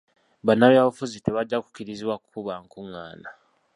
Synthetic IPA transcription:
βanːaβjaːβafuzite̞βaɟːaku̥kiɾiziβwakukuβaŋkuŋːaːna

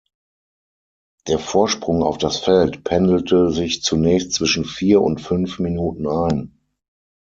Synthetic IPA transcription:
d̥eːɐfoːɐʃpʁ̥ʊŋa̰ʊfd̥asfɛltpʰɛndl̩tʰəzɪçt͡sunɛːçstt͡sv̥ɪʃn̩fiːɐʊ̰ntfʏnfminuːtn̩aɪn

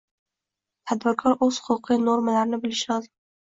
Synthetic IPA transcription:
t̪ʰad̪bɪɾkʰɒɾɵz̥hʊlˠqʰɨnoɾmalaɾɪnɪbɪlɪʃɪŋɪz

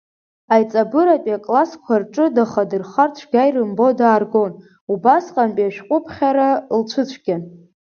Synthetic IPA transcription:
ajt͡sʼabɨɾapʼakʼlaskʷʰarʈ͡ʂʼɨdaχadɨrχart͡ɕʷʰɡʲajrɨmbo̞daːrɡo̞n | ubasqʼampʼaʃᶣqʷʼʊpʰχʲaɾalt͡ʃʷʰɨt͡ɕʷʰɡʲan

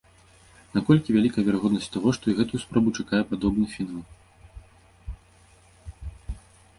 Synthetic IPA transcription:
nakɔlʲkʲivʲalʲikɐjɛvʲaɾaɣɔd̪nɐsʲt͡sʲt̪aɣɔʂt̪ɔiɣɛt̪ujuspɾɔbut͡ʂakajɛpad̪ɔbnɨfʲinalˠ

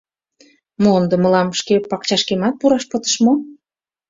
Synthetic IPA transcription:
moond̪ə̆mə̆lɑmʃkepɑk̚t͡ɕɑʃkemɑt̪̚puɾɑʃpət̪ə̥̆ʃmo

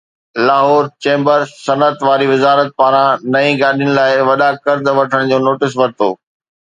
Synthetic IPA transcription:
laːɦɔːɾt͡ɕẽːmbəɾsɐnət̪ʋaːɾiʋɪzaːɾət̪̚paːɾãnɐĩɡaːɗiənɪ̆laːɪʋɐɗakəɾd̪ʋɐʈʰəɽ̃d͡ʑoːnoːʈɪs̬ʋɐɾt̪oː

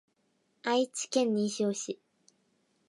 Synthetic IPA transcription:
ait͡ɕi̥kẽ̞ɲ̟ːiːɕoːɕi

